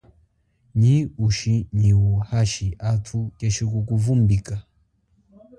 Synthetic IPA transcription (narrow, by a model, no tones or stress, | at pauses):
ɲiuʃiɲiwuhaʃiʔatʰukɛʃik̬ukuvumbika